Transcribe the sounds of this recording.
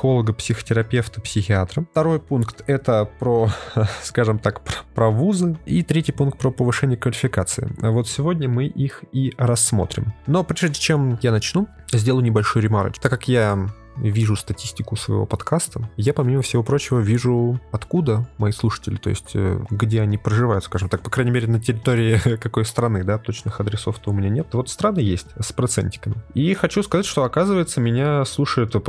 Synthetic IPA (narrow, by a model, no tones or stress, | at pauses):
xo̞lˠəɡəpsʲɪxə̥tʲɪɾɐpʲe̞ft̪ə̥psʲɪxʲɪat̪ɾət̪ɐɾo̞jpunkt̪ɛt̪əpɾoskaʐɨmt̪akəpɾɐvuzɨit̪ɾʲetʲɪjpunkt̪pɾəpəvɨʂɛnʲɪjəkvəlʲɪfʲɪkat̪sɨɪ̰avo̞t̪sʲɪvo̞dʲnʲəmɨʔixiɾɐsːmo̞̰t̪ɾʲɪ̰mno̞pɾʲeʐdʲɪt͡ɕemjanɐt͡ɕnu | zʲdʲelˠəjʊnʲɪbɐlʲʂojɾʲɪma̰ɾ̰t̪akːɐkja | vʲiʐʊst̪ɐtʲisʲtʲɪkʊsvə̰ɪ̰vo̞̰pɐt̪kʰast̪əjapɐmʲiməfsʲɪvo̞pɾo̞t͡ɕɪvəvʲiʐʊɐt̪kud̪əmɐislˠuʂə̥tʲɪlʲɪt̪o̞̰ɪ̰sʲtʲə̰ɡdʲeɐnʲipɾəʐɨvajʊt̪skaʐɨmt̪ak̚pɐkɾajnʲɪmʲeɾʲɪnətʲɪɾʲɪt̪oɾʲɪɪkɐko̞jst̪ɾɐnɨd̪at̪o̞t͡ɕnɨxɐd̪ɾʲɪso̞ft̪oʊmʲɪnʲanʲet̪vo̞t̪st̪ɾanːɨjesʲtʲspɾɐt̪sɛ̰nʲtʲɪ̥kəmʲɪixɐt͡ɕuskɐzatʲʂt̪oɐkazɨvəjɪt̪səmʲɪnʲaslˠuʂəjʊt̪